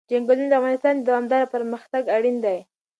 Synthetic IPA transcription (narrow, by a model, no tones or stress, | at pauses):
d͡ʒaŋɡəlund̪afɣɑnɪst̪ɑnd̪awamd̪ɑɾapəɾməxt̪aɡaɽind̪aj